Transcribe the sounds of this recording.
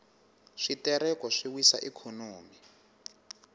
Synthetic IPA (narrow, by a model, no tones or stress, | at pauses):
ʂitɛɾɛkɔʂiwisa̰ʔɛkʰɔnoːmi